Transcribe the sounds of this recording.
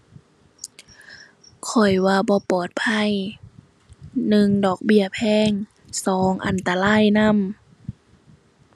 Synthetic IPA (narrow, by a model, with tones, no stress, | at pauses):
kʰɔ˨˩jwaː˧bɔː˧pɔː˨˩t̪̚pʰa˧˥˩j | nɯ˧ŋdɔː˨˩k̚bi˧˩əpʰɛː˧˩ŋ | sɔː˩˦ŋʔa̰˨˧˩nt̪a˧laː˧˥˨jna˧˥˨m